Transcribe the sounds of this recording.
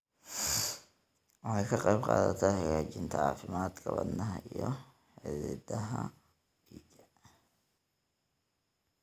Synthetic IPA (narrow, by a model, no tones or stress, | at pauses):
wɑħɑjkʰɐqɑjbqɑːðɐt̪ʰahɐjaːt͡ʃɪnt̪ʰɐʕɑ̰ːfɪmaːd̪kʰɐβɐd̪nɐɦɐijɔ | ħɪðid̪ɐɦɐ̥ | id͡ʒɐ